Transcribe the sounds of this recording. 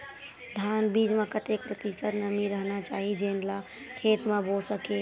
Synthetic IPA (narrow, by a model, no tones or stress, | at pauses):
d̪ʱanbid͡ʒmẽkət̪ek̚pɾət̪isəɾnəmiɾəɦnat͡ʃaːɦid͡ʒenla | kʰeːt̪mẽbosəke